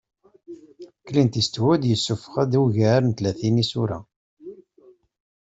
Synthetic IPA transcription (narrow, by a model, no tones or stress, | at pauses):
kːlint̪ist̪wæd̪jəsːufə̥χæd̪wʝəɾnt̪læθinisuɾæ̰